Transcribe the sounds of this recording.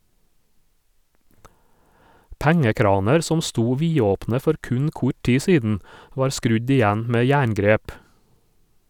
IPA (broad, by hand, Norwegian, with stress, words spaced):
ˈpæŋəˌkɾɑːnɛɾ ˈsɔm ˈstuː ˈʋiːoːpnə ˈfɔɾ ˈkʉɲ ˈkʊ ˈʈiː ˈsiːdn̩ ˈʋɑːɾ ˈskɾʉɟ ɪˈjæn ˈmeː ˈjæːɳˌɡɾeːp